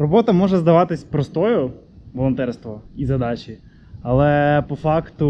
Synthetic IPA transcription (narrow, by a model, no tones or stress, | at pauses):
rɔbɔt̪ɐmɔʒɛzd̪ɐʋɑt̪ɪsʲpɾɔst̪ɔjʊ | ʋɔlˠɔnt̪ɛrst̪ʋɔizɐd̪ɑt͡ʃi | ɐlˠɛpɔfɑkt̪ʊ